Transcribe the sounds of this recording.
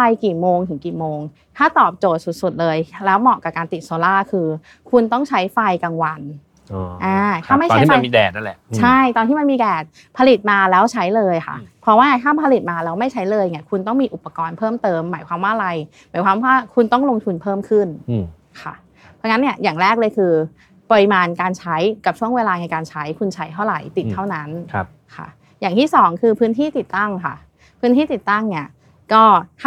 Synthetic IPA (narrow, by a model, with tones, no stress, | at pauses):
fa˧jkiː˨˩moː˧ŋt̪ʰɯ˨˩˦kiː˨˩moː˧ŋ | t̪ʰaː˥˩t̪ɔː˨˩p̚t͡ɕoː˨˩t̪̚su˨˩t̪̚su˨˩t̪̚lɤː˧jlɛː˦˥wmɔ˨˩ka˨˩kaː˧nt̪i˨˩t̪̚soː˧laː˥˩kʰɯː˧ | kʰu˧nt̪ɔ˥˩ŋt͡ɕʰa˦˥jfa˧jka˧ŋwa˧nː˧ | ʔaː˧˩t̪ʰaː˥˩ma˥˩jtʰi˥ma˧miː˧dɛ̰ː˨˩na˥˩˨lɛ̰˨˩t͡ɕʰa˥˩jt̪ɔː˧nʰiː˥˩ma˧nmiː˧dɛː˨˩t̪̚ | pʰa˧li˨˩t̪̚maː˧lɛː˦˥wt͡ɕʰa˦˥jlɤː˧jkʰa̰˥˩pʰɾɔ˦˥waː˥t̪ʰaː˥˩pʰa˧li˨˩t̪̚maː˧lɛː˦˥wma˥˩jt͡ɕʰa˦˥jlɤː˧jŋi˦˥˩kʰu˧nt̪ɔ˥˩ŋmiː˧ʔu˨˩pːa˧kɔː˧npʰɤː˥˩mt̪ɤː˧mːaː˩˦jkwaː˧mwaː˥˩ʔɾa˧j | maː˩˦jkwaː˧mwaː˥˩kʰu˧nt̪ɔ˥˩ŋlo˧ŋt̪ʰu˧npʰɤː˥˩mkʰɯ˥˩n | kʰa̰˥˩ | pʰɔ˧˥ŋa˦˥nːi˥˩ɐjaː˨˩ŋɾɛː˥˩k̚lɤː˧jkʰɯː˧ | pɔ˧ɾi˧maː˧nkaː˧nt͡ɕʰa˦˥jka˨˩p̚t͡ɕʰu˥˩əŋweː˧laː˧na˧jkaː˧nt͡ɕʰa˦˥jkʰu˧nt͡ɕʰa˦˥jt̪ʰa˥˩wɾa˨˩jt̪i˨˩t̪ʰːa˥˩wna˦˥n˧ | kʰa̰˥˩ | jaː˨˩ŋt̪ʰiː˥˩sɔː˩˦ŋkʰɯː˧pʰɯː˦˥nt̪ʰiː˥˩t̪i˨˩t̪ːa˥˩ŋkʰa̰˥˩ | pʰɯː˦˥nʰiː˥˩t̪i˨˩t̪ːa˥˩ŋni˥˩ɐ | kɔː˥˩t̪ʰ